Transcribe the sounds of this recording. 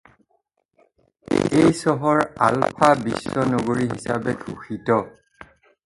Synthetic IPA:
ejsɔɦɔɹa̰lpʰabisːɔnoɡoɹiɦisabɛɡʰʱuxitɔ

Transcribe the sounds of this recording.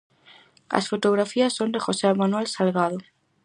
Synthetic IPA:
a̰sfot̪oɣɾafiasːond̪exosemanuwɛlsalɣaðo

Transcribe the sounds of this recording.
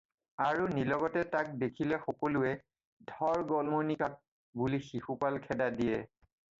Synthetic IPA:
aɹunilɔɡɔtɛtak̚dekʰilɛxɔkɔlʊɛ | dʱɔɹɡɔlmonikak̚ | bulixixupalkʰɛdadijɛ

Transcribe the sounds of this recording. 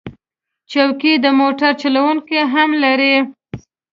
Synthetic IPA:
t͡ʃawkid̪əmoʈaɾt͡ʃalawuŋkeɦamlaɾi

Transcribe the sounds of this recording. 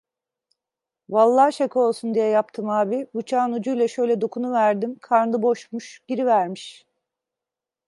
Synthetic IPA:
valˠːaːʃakɯo̞lˠsund̪ijɛjap̚t̪ʰɯmaːbibut͡ʃʰaːnud͡ʒujlʲɛʃø̞jlʲɛd̪okʰunuvæɾd̪imkʰaɾnd̪ɯbo̞ʃmuʃɟ̥iɾivæɾmiʃ

